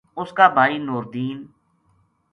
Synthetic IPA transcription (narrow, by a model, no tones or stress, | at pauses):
ʊskaːbʱaːiːnoːɾd̪iːn